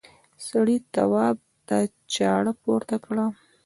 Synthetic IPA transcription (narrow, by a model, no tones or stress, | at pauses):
saɽit̪a̰wɑb̚ | d̪a | t͡ʃɑɽəpoɾt̪akɽa